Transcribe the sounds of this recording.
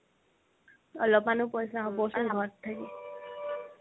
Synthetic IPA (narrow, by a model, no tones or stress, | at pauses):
ɔlɔpanupɔjsaɦɔbɔsɔnɡʱɔɾt̪ʰːaki